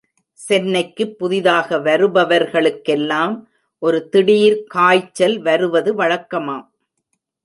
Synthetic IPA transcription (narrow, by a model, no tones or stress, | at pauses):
sɛnːɐɪkːɯpːʊðɪðaːɣɐʋɐɾɯbɐʋɐɾɣɐɭɯkːɛlːaːm | ʔɔɾɯt̪ɪɽiːɾkaːjt͡ʃːɐlʋɐɾɯʋɐðɯʋɐɻɐkːɐmaːm